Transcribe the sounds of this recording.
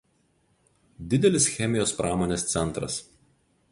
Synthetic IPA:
d̪ʲɪd̪ʲɛlʲɪsxʲɛmʲɪjoːspɾʔɑːmoːnʲeːst̪sʲɛnˑt̪ɾɐ̰s

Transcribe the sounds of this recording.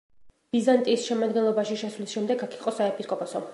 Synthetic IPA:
b̥izant̪ʼiːsʃɛmad̪̚ɡɛnlˠɔbaʃiʃɛswlisʃɛmd̪ɛɡakʰiqʼɔsaɛpʰiskʼɔpʼɔsɔ

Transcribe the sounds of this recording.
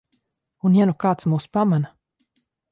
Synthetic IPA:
unjanukaːt̪smuːspamana

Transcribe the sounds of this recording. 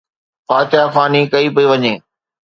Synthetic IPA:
faːt͡ɕafaːnikɐipɐiʋɐɲẽː

